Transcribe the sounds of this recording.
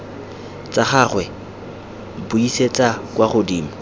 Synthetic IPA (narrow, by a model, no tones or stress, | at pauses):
t͡sʼaχaːχwɛ | bʊiset͡sʼakʼwaχʊdiːmɔ